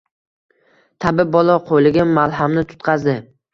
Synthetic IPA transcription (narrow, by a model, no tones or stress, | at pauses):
t̪ʰabɪbɒlˠɒqʰojlɪɡʲamalˠɦamnɪt̪ʰʊ̥t̪qʰɑzd̪ɪ